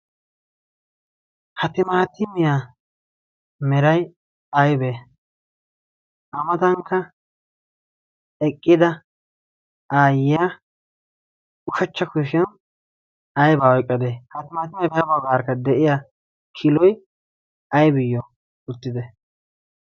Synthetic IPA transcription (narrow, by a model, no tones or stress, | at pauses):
hɐt̪ɪmaːt̪ɪmɪja | mɛɾɐj | ɐjbe | ʔɐmɐt̪ɐŋkːɐ | ɛkʼːɪd̪ɐ | aːjɪja | ʊʃɐt͡ʃːɐkʊʃɛn | ɐjbaːwɔjkʼːɐd̪ehɐt̪ɪmaːt̪ɪmɪjɐjbɐjbɐwɡaːɾkːɐd̪ɛʔɪja | kʰɪlɔj | ɐjbɪjːɔ | ʊt̪ːɪd̪ɛ